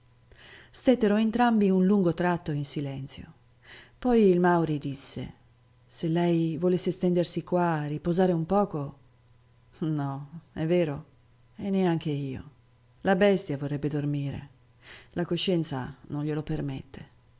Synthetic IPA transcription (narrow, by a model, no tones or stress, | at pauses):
st̪et̪ːeɾoent̪ɾambiunluŋɡot̪ɾat̪ːoinsilɛnt̪sjo̰ | pɔjilmawɾid̪isːḛ | selːɛjvolesːest̪ɛnd̪ersikwaripozaːɾeumpɔːko | nɔɛvːeːɾo | enːeaŋk̟eiːo̰ | labɛst̪javorːɛbːed̪ormiːɾḛ | lakoʃːɛnt̪sa̰nõnʎelopermḛt̪ːe